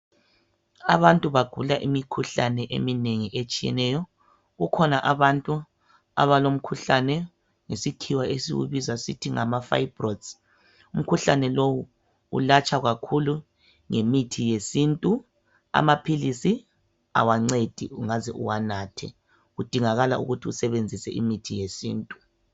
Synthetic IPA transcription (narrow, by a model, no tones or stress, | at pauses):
a̰βantʼuβaɡ̥ʱulaʔimikʰuɬanɛʔḛmineŋiʔet͡ʃʼijɛ̰nɛjɔ | ɣukʰɔnaʔaβantʼu | a̰βalom̩kʰuɬanɛ | ŋesikʰiwaesḭɣṵβizasḭtʰiŋamafa̰ibrɔds | um̩kʰuɬanɛlowu | ṵlat͡ʃʰʼaɣakʰulu | ŋemitʰijesintʼu | a̰mapʰilisi | a̰waŋ͡ǀed̥ʱiuŋazɛʔṵwanaːtʰɛ̰ | ɣud̥ʱiŋaɣala̰ʔṵɣutʰiusɛβend͡zʱisɛ̰ʔimitʰijesḭːntʼu